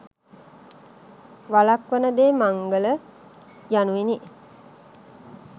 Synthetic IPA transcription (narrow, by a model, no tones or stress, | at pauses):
ʋalakʋənəd̪eːmaŋɡələ | januʋini